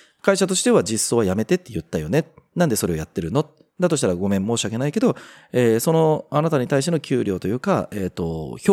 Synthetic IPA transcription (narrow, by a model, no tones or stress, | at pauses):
kaiɕat̪o̞ɕi̥t̪e̞βad͡ʑisːo̞ːβajame̞t̪e̞t̪ːe̞jɯ̟t̪ːajo̞nenãnd̪e̞so̞ɾe̞o̞jat̪ːe̞ɾɯ̟not̪ | d̪at̪o̞ɕi̥t̪aɾaɡo̞mẽ̞mːo̞ːɕiake̞naike̞d̪o̞ | eːso̞no̞anat̪aɲ̟it̪aiɕ̬t̪e̞nokʲɨːɾʲjo̞ːt̪o̞jɯ̟ːkaeːt̪ːo̞̰ç